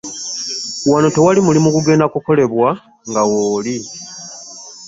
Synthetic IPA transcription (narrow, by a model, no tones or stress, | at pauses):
wanoto̞walimulimukuɡe̞ːndakuko̞le̞βwa | ŋɡawoːli